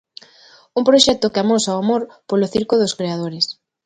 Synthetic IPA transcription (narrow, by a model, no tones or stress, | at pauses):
umpɾoʃɛt̪okeamosawamoɾpoloθiɾkoðoskɾeað̞oɾes